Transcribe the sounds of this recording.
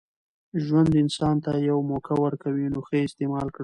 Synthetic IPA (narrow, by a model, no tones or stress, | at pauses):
ʒwand̪ɪnsɑnt̪ajawmokʰawəɾkawinoxəɪst̪emɑlkɽ